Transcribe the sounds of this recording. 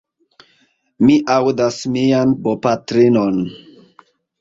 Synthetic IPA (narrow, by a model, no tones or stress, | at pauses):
miʔawdasmianbopatɾinon